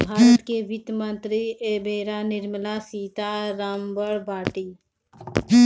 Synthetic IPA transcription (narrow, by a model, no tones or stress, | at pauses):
bʱaːɾət̪keʋɪt̪mənt̪ɾiebeːɾanɪɾmlasiːt̪aɾaːmbəɾbaːʈi